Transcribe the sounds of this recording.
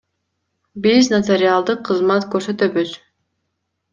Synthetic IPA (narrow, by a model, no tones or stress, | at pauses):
biznat̪eɾɪalˠd̪ɯqʰːɯzmɑt̪køɾsø̞t̪øβyz